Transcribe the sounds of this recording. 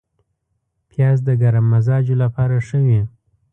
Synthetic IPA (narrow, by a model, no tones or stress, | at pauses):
pʰjɑzd̪əɡaɾamːazɑd͡ʒolapɑɾaʂəwi